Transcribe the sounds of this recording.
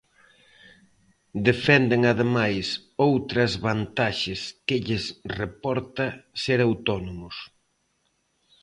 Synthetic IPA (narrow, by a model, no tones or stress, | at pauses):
d̪efɛnd̪eŋaðemajsowt̪ɾɐzβant̪aʃɪskɪʎɪsrepɔɾt̪ɐseɾawt̪ɔnomʊs